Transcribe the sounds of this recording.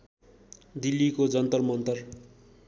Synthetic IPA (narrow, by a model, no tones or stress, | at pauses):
d̪ilːikod͡zʌnt̪ʌrmʌnt̪ʌr